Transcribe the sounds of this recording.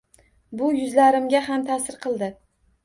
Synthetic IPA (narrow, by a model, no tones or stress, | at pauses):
bʊjʊzlaɾɪmɡʲaɦamt̪ʰasɪɾqʰɨlˠd̪ɪ